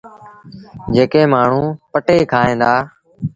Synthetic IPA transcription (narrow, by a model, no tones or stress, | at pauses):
d͡ʒeːkẽːmaːɳ̤ũːpəʈeːkʰaːẽːnd̪aː